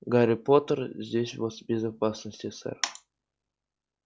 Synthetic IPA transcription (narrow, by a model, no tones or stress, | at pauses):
ɡaɾʲipot̪ərzʲdʲesʲvosbʲezapɑsnəsʲtʲesʲɘ̰rʲ